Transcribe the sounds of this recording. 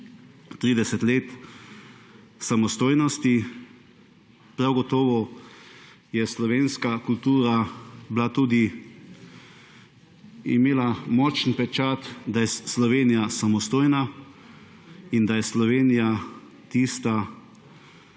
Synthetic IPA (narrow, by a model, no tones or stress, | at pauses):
t̪ɾiːd̪ɛsɛt̪leːt̪ | samɔst̪oːjnɔst̪i | pɾawɡɔt̪ɔːʋɔ | jɛslɔʋeːnskakult̪uːɾablat̪uːd̪i | ḭmeːlamɔt͡ʃnpɛt͡ʃat̪d̪ajɛslɔʋeːnijasamɔst̪oːjna | ind̪ajɛslɔʋeːnija | t̪ist̪a